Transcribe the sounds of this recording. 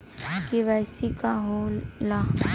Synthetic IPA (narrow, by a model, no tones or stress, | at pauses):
kiʋɛːsikaɦolla